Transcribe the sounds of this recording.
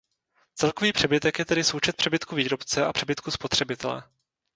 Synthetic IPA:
t͡sɛlko̞viːpr̥ɛbɪt̪ɛkjɛt̪ɛdɪso̞wt͡ʃɛt̪pr̥ɛbɪt̪kuviːɾo̞pt͡sɛʔapr̥ɛbɪt̪̚kuspo̞t̪r̝̥ɛbɪt̪ɛlɛ̰

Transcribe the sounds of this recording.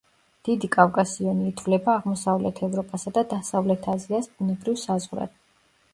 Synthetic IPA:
d̪̥id̪ikʼavkʼasiɔniːt̪ʰvlɛbaːʁmɔsavlɛt̪ʰɛvɾɔpʼasad̪ad̪asavlɛt̪ʰaziasbunɛbɾivsazʁɾa̰d̪̥

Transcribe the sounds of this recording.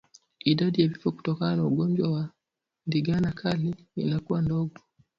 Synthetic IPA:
iɗaɗijavifɔku̥tɔkananauɡɔnd͡ʒwawa | ndiɡanakʰali | ḭnakuwandɔɡɔ

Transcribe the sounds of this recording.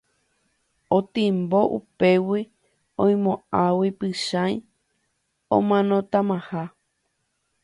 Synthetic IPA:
õt̪ĩmboʔṵpewi | õj̃mõawipɨʃãj̃ | õ̰mãnõt̪amãha

